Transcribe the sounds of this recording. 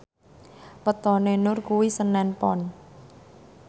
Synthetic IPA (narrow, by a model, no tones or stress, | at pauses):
pət̪ɔnenʊrkuwisənɛnpɔn